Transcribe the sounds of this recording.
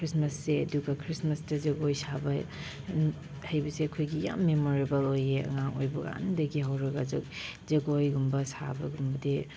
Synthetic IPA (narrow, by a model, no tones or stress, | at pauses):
kʰɾismɐsːeduɡɐkʰɾismɐsdɐzɐɡojsabɐ | hɐjbɐseɐkʰojɡija̰mːemoɾibɐlojeɐ̰ŋaŋo̰jbɐɡa̰a̰ndɐɡiɦawɾɐɡɐzɐkzɐɡojɡumbɐsabɐɡumbɐdi